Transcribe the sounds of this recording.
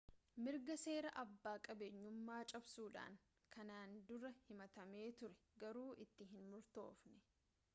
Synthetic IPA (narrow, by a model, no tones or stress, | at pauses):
mɪɾɡɐse̞ːɾɐʔɐbːaːkʼɐbeɲːʊmːaːt͡ʃʼɐbsuːᶑa̰ːŋ | kʰɐnaːnd̪ʊrɐhɪmɐt̪ɐme̞ːt̪ʊɾɛ̥ | ɡɐɾuːʔɪt̪ːɪɦɪnmʊɾt̪o̰ːfnɛ